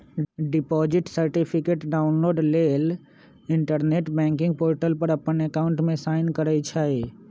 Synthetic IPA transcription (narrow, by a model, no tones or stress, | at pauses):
ɖɪpɔːd͡ʒɪʈsəɾʈɪpʰɪkeːʈɖaːʊnloːɖleːl | ɪ̃ɳʈəɾneːʈbɛ̃ːŋkɪ̃ŋɡ̚poːɾʈəlpəɾɐpənekaːʊ̃ɳʈmẽsaːɪnkəɾəit͡ʃʰae